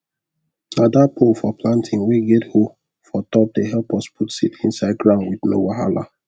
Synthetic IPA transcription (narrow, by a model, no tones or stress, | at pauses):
sadapʰofɔplãntʰĩŋweɡɛtho | fɔtɔp̚deɦɛlpɔsputsitʰĩnsaɪd̚ɡɹãnwidno̰waɦa̰la̰